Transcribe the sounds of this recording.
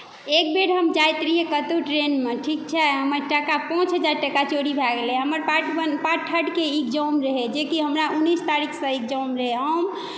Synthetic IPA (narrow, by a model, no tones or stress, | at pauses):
ek̚beɽɦəmd͡ʒajt̪ɾiɦekət̪uʈɾenmeʈʰik̚t͡ʃʰɛɦəməɾʈəkapɔ̃t͡ʃɦəd͡ʒaɾʈəkat͡ʃoɽibʱaɡeleɦəməɾpaʈbənpaʈʰːəʈkeikd͡ʒɔwmɾəɦed͡ʒekiɦəmɾaunːist̪aɾikʰsə̃ikd͡ʒəwmɾəɦeɦəm